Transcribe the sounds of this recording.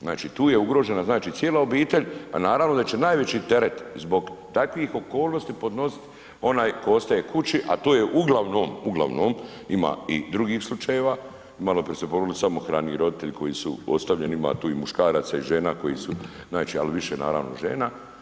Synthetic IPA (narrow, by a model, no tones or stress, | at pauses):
znaːt͡ʃiːt̪uːjeuɡɾo̞ːʒe̞naznaːt͡ʃiːt̪sjeːlao̞biːt̪e̞ʎʲa̰naːɾaʋno̞d̪at͡ʃenaːjʋe̞t͡ɕit̪e̞ɾet̪zbo̞ɡt̪akʋixo̞ko̞ːlˠno̞st̪ipo̞d̪no̞si̥t̪ | o̞naːjko̞ost̪ajekʰut͡ʃiʔa̰t̪oːjeʔuɡlˠaʋnoːmuɡlˠa̰ʋnoːm | ima̰ːid̪ɾuɡiːxslˠut͡ʃajeʋaː | imalopɾsepoɾolisamoxɾaːnijiɾo̞d̪it̪e̞ʎikʰo̞jisṵost̪aʋʎenima̰ːt̪uːimuʃkaːɾat̪saiʒe̞ːnako̞jisu | znaːt͡ʃia̰liʋiʃena̰ːɾa̰ʋno̰ʒḛːna